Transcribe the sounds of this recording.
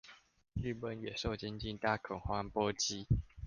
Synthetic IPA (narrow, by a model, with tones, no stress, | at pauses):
y˥˨pə˨˦njɛ˨˩ʂo˥˨ʊt͡ɕjɛ˥˦nt͡ɕi˥˨nt̪a˥˩kʰɔ˨˩ŋxwa˥ŋpɔ˦t͡ɕi˦